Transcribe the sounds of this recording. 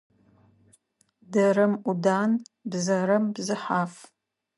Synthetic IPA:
dɐɾɐmʔudaːnbzɐɾɐmbzɨħaːf

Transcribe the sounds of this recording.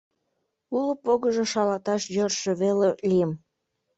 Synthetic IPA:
uləpoɣəʒoʃɑlɑt̪ɑʃjørʃeβelelijəm

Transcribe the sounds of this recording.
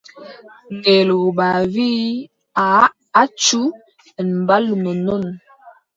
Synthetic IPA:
ŋɡelobavi | a | at͡ʃu | ənbalumənon

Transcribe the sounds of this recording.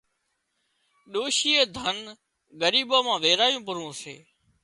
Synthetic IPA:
ɗoːʃiːeːd̪ʱən | ɡəɾiːɓaːmãːʋeːɾaːjũːpəɾũːsḛː

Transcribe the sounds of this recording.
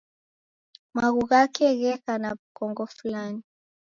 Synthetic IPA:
maɣuɣakɛɣɛkanakɔŋɡɔfulani

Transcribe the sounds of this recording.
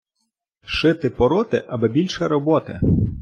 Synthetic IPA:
ʃɪt̪ɪpɔɾɔt̪ɪ̰ʔɐbɛbʲilʲʃɛɾɔbɔt̪ɪ̰

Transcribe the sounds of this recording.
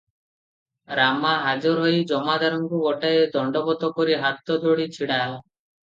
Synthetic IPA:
ɾamaɦad͡ʒɔɾɦɔjd͡ʒɔmad̪aɾɔŋkuɡɔʈaed̪ʱɔɳɖɔbɔt̪ɔkɔɾiɦat̪ɔd̪ʱoɽit͡ʃʰiɽala

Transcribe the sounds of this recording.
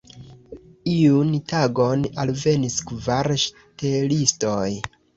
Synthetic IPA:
iuntaɡo̞nalve̞niskvaɾʃ | telistoj

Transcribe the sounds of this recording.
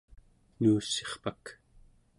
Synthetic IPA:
nuːseχpak

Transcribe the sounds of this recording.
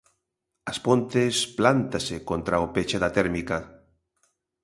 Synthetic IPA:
ɐspont̪esplant̪asekont̪ɾaopet͡ʃeðat̪ɛɾmika

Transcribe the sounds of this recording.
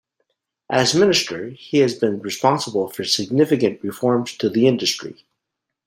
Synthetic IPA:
ʔɨzmɪ̃nɨstʰə˞hiɨzbɨ̃nɹɨspɑ̃nsəbl̩ˠfə˞sɨɡ̚nɪfɨkɨ̃nʔɹɨfɔɹmz̥tʰɨðiɪ̃ndɨstɹ̥ḭ

